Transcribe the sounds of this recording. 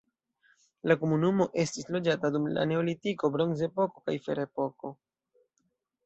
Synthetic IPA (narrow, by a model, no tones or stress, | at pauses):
lakomunumo̞ʔe̞stislo̞d͡ʒatadumla̰ne̞olitiko̞bɾo̞nze̞po̞ko̞kajfe̞ɾe̞po̞ko̞